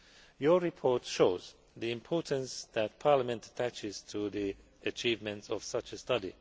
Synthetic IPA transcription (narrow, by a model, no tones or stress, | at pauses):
jɔɹipʰɔɹtʃoʊz | ðiɪ̃mpʰɔɹtə̃nsðæt̚pʰaɹləmɛ̃ntətʰæt͡ʃɪz̥tʰuði | ɨt͡ʃivmɨ̃ntsɔv̥sʌt͡ʃəstʌdḭ